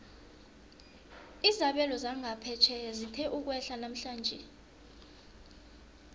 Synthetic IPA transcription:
izaɓɛlɔzaŋʱapʰɛt͡ʃʰɛzitʰɛʔuk̬wɛɬanam̩ɬaːnd͡ʒʱɛ

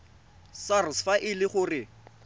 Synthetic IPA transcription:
sarsfaʔɪlɪχʊrɪ

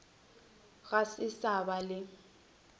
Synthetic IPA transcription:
ɣasɪsabalɪ

